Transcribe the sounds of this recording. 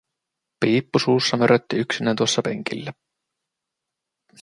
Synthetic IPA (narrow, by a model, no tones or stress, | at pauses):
piːpːusuːsːɑmøɾʔøt̪ːiyksinæt̪uosːɑpe̞̰ŋk̟ilːæ